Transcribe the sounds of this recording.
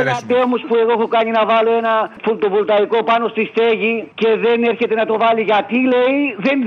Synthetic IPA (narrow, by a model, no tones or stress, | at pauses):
ɐd̪emuspue̞ɣoexokɐɲinɐvɐlo̞e̞nɐfult̪ovult̪ɐiko̞pɐno̞st̪ist̪e̞ʝice̞ðe̞ne̞ɾçe̞t̪e̞nɐt̪o̞vɐliʝɐt̪ile̞iðe̞n